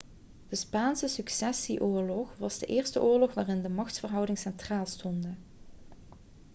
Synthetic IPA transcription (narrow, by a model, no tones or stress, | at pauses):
d̥əspaːnsəsyksɛsiʔʊːɹlɔχʋɑzdəʔɪːɹstəʔʊːɹlɔxʋaːrɪndəmɑxtfərɦʌwdɪŋsɛntraːlˠstɔndə